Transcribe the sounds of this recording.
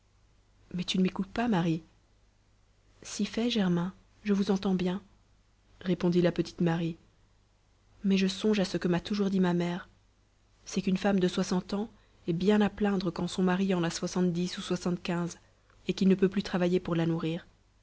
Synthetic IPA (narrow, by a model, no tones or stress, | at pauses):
mɛt̪ynəmekut̪̚pamaʁi | sifɛʒɛʁmɛ̃ | ʒəvuzɑ̃t̪ɑ̃bjɛ̃ | ʁepɔ̃d̪ilapət̪i̥t̪maʁi | mɛʒəsɔ̃ʒasəkəmat̪uʒuʁd̪imamɛːʁ | sɛkynfamd̪əswasɑ̃t̪ɑ̃ | ɛbjɛ̃naplɛ̃d̪ʁəkɑ̃sɔ̃maʁiɑ̃naswasɑ̃t̪̚d̪isuswasɑ̃t̪kʲɛ̃z | ekilnəpøplyt̪χavajepuʁlanuʁiːʁ